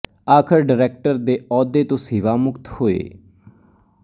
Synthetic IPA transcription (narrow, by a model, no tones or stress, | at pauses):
aːkʰɪɾɖəɾɛːk̚ʈəɾd̪eːɔːd̪eːt̪õːsiːʋaːmʊkt̪hoːḛː